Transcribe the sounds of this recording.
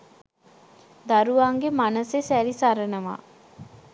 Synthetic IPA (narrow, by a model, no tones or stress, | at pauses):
d̪aɾuʋaŋɡemanəsesæɾisaɾənəʋa̰